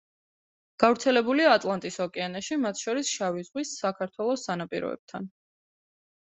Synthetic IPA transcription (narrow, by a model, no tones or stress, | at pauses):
ɡ̥avɾt̪sʰɛlɛbuliaːt̪ʼlˠant̪ʼisɔkʼɛanaʃimat̪ʰʃɔɾisʃavizʁwisːakʰaɾt̪ʰwɛlˠɔsːanapʼḭɾɔ̰ɛ̰b̥̚t̪ʰan